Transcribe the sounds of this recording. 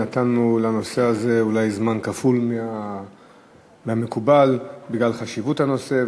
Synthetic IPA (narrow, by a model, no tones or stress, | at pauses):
at̪anːulano̞se̞aze̞ulajzmankafulmea | mehamekubalbiɡlalχaʃivuthano̞se̞